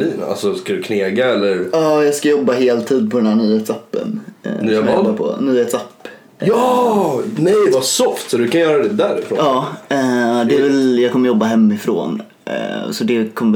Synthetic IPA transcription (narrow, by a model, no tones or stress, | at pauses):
iːn̰a̰lsɔskad̪ɵkʰneːɡaɛlːəɾɑːjɑːɡskajɔbːaɦeːlt̪ʰiːd̪̚pʰɔd̪ɛnhæːɳyːheːt̪sapːə̰nɔmbaɾpʰɔ̰nyːheːt̪sapː | ɑ | nɛjvasɔft̪sɔd̪ɵkanjœːɾad̪ɛd̪æɾɪfɾo̰ːɑː | d̪ɛɛvɛljɑːɡkʰɔmːəjɔbːaɦɛmːɪfɾo̰ːn | sɔd̪ɛkʰɔmːə